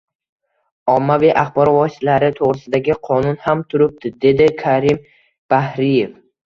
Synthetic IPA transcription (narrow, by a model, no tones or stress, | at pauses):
ɒmːaviʔaχbɒɾɒvɒsɪt̪ʰlaɾɪt̪ʰoʁɾɪsɪd̪aɡʲɪqʰɒnʊnhamt̪ʰʊɾɪp̚t̪ɪd̪e̞d̪ɪkʰaɾɪm | b̥ahɾɪje̞f